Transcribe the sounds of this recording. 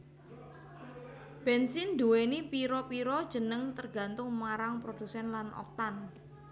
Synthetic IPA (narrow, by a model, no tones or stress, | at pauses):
b̥ɛnsɪnd̪uwenipiɾɔpiɾɔd̥ʒ̥ə̤nəŋt̪ərɡ̥a̤nt̪ʊŋmaɾaŋpɾod̥usɛnlanʔɔ̰k̚t̪an